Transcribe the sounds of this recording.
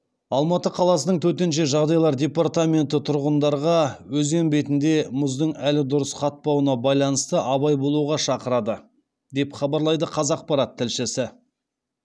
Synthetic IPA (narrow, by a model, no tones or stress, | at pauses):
ɑlˠmɑt̪əqʰɑlˠɑsənəɴt̪ʰɵt̪̬e̞nʃeʒɑʁd̪ɑjlˠɑɾd̪ʲe̞part̪amʲe̞nt̪ɪt̪ʰʊɾʁənd̪ɑɾʁɑwɵzɡe̞nbe̞t̪ɪnd̪e̞mʊzd̪əɴælɪd̪ʊɾəsqʰɑt̪̚pɑwənɑbɑjlˠɑnəst̪əʔɑβɑjbo̞lˠuʁɑʃɑqəɾɑd̪ə | d̪e̞pχɑbɑɾlˠɑjd̪əqʰɑzɑq̚pɑɾɑt̪ʰːɪlʃɪsɪ